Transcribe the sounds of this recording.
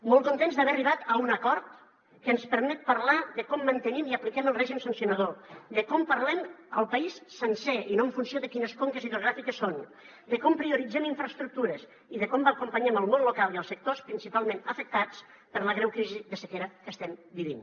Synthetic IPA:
mɔlˠt̪kunt̪enzðəβɛriβat̪əunəkɔɾt̪ | kəːnspəɾmɛt̪̚pəɾlaðəkɔmːənt̪ənimiəplikɛməlˠrɛʒimsənsiunəð̞od̪əkɔmpəɾlɛməlˠpəisːənsɛinoəɱfunsioðəkinəskoŋkəziðɾuɣ̞ɾafikəsːon | d̪əkɔmpɾiuɾid͡zɛmiɱfɾəst̪ɾuk̚t̪uɾəz | iðəkɔmbəkumpəɲɛməlˠmonlukalˠiəlˠsək̚t̪ospɾinsipalˠmẽnəfək̚t̪at͡s | pəɾləɣɾɛwkɾiziðəsəkeɾəkəst̪ɛmbiβḭn

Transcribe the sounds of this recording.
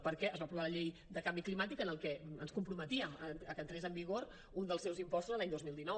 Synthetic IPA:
pəɾkɛəzβapɾuβaləʎejd̪əkambiklimat̪ikənəlˠkɛənskumpɾumət̪iəməəkənt̪ɾezəmbiɣoɾ | und̪əlˠsɛwzimpɔst̪uzəlaɲd̪ozmilˠd̪inɔ

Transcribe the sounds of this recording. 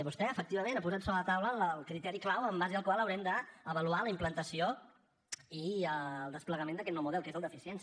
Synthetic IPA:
βust̪ɛəfək̚t̪iβəmẽnapuzat̪soβɾələt̪awlələlˠkɾit̪ɛɾiklawəmbaziðəlˠkwalˠəwɾɛmd̪əəβəlualəimplənt̪əsio | iəlˠd̪əspləɣəmẽnd̪əkɛt̪nɔwmuðɛlˠkezəlˠd̪əfisiɛns

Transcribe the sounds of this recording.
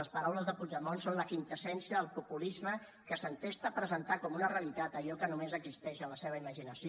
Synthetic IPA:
əspəɾawləzðəpud͡ʒəmonsonləkint̪əsɛnsiəðəlˠpupulizmə | kəsənt̪est̪əpɾəzənt̪akɔmunəreəlit̪at̪əʎɔkənumezəɡzist̪ɛʃənləseβ̞əiməʒinəsi

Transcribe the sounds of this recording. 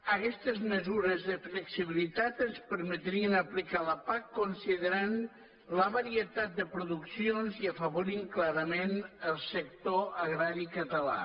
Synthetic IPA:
əkɛst̪əzməzuɾəzðəfləksiβ̞ilit̪at̪ənspəɾmət̪ɾiənəplikaləpakːonsiðəɾan | ləβəɾiət̪at̪̚d̪əpɾuðuksionziəfəβoɾiŋklaɾəmenəlˠsəkt̪oəɣɾaɾikət̪əla̰

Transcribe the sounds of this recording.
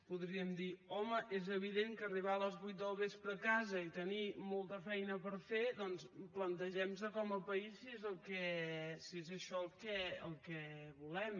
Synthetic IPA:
puðɾiəmd̪iɔməʔezəβ̞iðeŋkəriβ̞aələzβujt̪̚d̪əlˠβespɾəːkazəit̪ənimɔlˠt̪əfɛjnəpəɾfeðɔnsplənt̪əʒɛmzəkɔməpəisːiezəlˠkɛsiezəʃɔəlˠkɛə̰lˠkɛβulɛm

